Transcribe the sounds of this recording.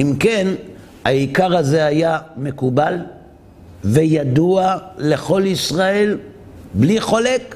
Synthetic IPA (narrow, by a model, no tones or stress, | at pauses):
imken | aikaʁaze̞ajame̞kubal | vejad̪uale̞χo̞lisʁae̞l | bliχo̞lek